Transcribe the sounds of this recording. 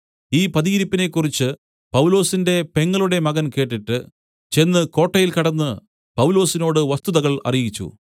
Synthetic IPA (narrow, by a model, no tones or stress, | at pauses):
iːpɐðijiɾipːine̞kːurit͡ɕːɨ | pɐwlo̞ːsinde̞pe̞ŋːɐɭuɽe̞mɐɣɐnke̞ːʈːiʈːɨ | t͡ɕe̞nːɨko̞ːʈːɐjilkɐɽɐnːɨ | pɐwlo̞ːsino̞ːɽɨʋɐst̪uðɐɣɐɭɐ̰rijit͡ɕːṵ